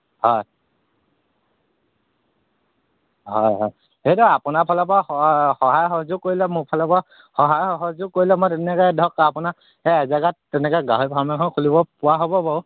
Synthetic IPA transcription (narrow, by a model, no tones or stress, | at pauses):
hɔj | ɦɔjɦɔj | hejtɔapʊnapʰɔlɔpɔɔxɔɦajɦɔzʊkːoɹilɛmʊpʰɔlɔpɔ | xɔɦajɔɦɔzʊkːoɹilɛmɔjtɛnɛkɔdʱɔkapʊna | ɛɛzaɡattɛnɛkɛɡaɦojpʰaɹmɛkʰɔnkʰulibɔpʊwaɦobɔbɔ